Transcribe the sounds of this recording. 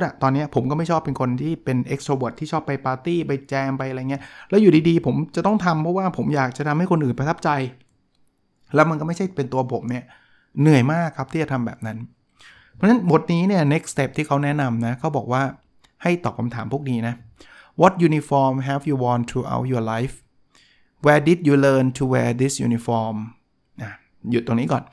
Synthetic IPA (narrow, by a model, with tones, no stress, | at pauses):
a˨˩t̪ɔː˧nːi˦˥ɐpʰo˩˦mkɔ˥˩ma˥˩jt͡ɕʰɔː˥˩pːe˧nkʰo˧nt̪ʰiː˥˩pe˧nʔe˦˥k̚soː˧wo˨˩t̪ʰːiː˥˩t͡ɕʰɔː˥˩pːa˧jpaː˧t̪iː˥˩pa˧jt͡ɕɛː˧mpa˧jʔa˧˨˩ŋi˦˥ɐlɛː˦˥juː˨˩diː˧diː˧pʰo˩˦mt͡ɕa˨˩t̪ɔ˥˩ŋt̪ʰa˧mpʰɔ˦˥waː˥˩pʰo˩˦mjaː˨˩k̚t͡ɕa˨˩t̪ʰa˧mha˥˩jko˧nʔɯː˨˩npa˧t̪ʰa˦˥p̚t͡ɕa˧j | lɛ˦˥wma˧nkɔ˥ma˥˩t͡ɕʰa˥˩pe˧nt̪u˧ɐpʰo˩˦mni˥˩ɐ | nɯ˨˩əjmaː˥˩kʰːa˦˥p̚t̪ʰiː˥˩t͡ɕa˨˩t̪ʰa˧mbɛː˨˩p̚na˦˥n | pʰɔ˨˧˥na˦˥nbo˨˩t̪̚niː˦˥ni˥˩ɐne˦˥k̚st̪e˦˥˩p̚t̪ʰiː˥˩kʰa˦˥wnɛ˦˥na˧mna˦˥kʰa˦˥wbɔː˨˩k̚waː˥˩ | ha˥˩jt̪ɔː˨˩kʰa˧mt̪ʰaː˩˦mpʰuː˥˩ək̚niː˦˥na˦˥ | wɔ˦˥t̪̚juː˧ni˧fɔː˧mɦɛ˧fjuː˧wɔː˧nt̪ʰɾuː˧ʔa̰˦˥wt̪̚jɔ˧la˦˥jf | wɛː˧di˨˩t̚juː˧lɤː˧nt̪ʰu˧wɛː˧d̪i˦˥sjṵ˧ni˧fɔː˧m | ʔa˨˩ | ju˨˩t̪ːo˧ŋniː˦˥kɔː˨˩n